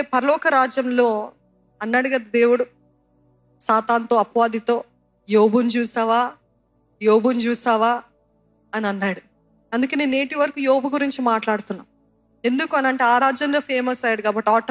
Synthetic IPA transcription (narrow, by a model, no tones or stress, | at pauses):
pɐɾɐlɔːkɐɾaːd͡ʒjɐmlo̞ː | ɐnːaɽuɡɐd̪ɐd̪e̞ːwuɽu | saːt̪aːnt̪oːɐpʋaːd̪it̪o̞ː | joːbunt͡ʃuːsaːʋaː | joːbunt͡ʃuːsaːʋaː | ɐniɐnːaːɽu | ɐnd̪ukeːneːne̞ːʈiʋɐɾɐkujoːbuɡuɾiɲt͡ʃimaːʈlaːɽut̪unːa̰ːm | e̞nd̪ukuɐnɐɳʈeaːɾaːd͡ʒjɐmlo̞ːpʰe̞ːmɐsɐjaːɽuɡaːbɐʈːiaːʈ